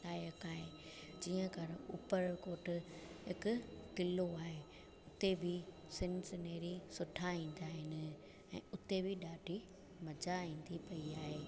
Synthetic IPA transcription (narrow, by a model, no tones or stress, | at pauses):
aːjɐkaːɦe | d͡ʑiːə̃kɐɾʊpəɾkoːʈ̆ɦɪkʊ̆t̪ɪloaːɦe | ʊt̪ebʱɪ | sɪnsɪneːɾisʊʈʰaĩːn̆d̪aːɦɪnɪ̆ | ɛ̃ːʊt̪ebʱɪɗaːɖʱi | mɐd͡ʑaĩːn̆d̪ipɐiaːɦeː